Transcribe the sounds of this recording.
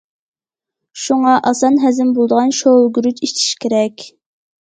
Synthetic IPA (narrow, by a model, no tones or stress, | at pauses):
ʃuŋɑʔɑsɑnɦɛzɪmbolˠd̪əʁɑnʃolˠɡʲyɾyt͡ʃiʃt͡ʃ̪ʰi̥ʃkʲʰeɾɛkʲ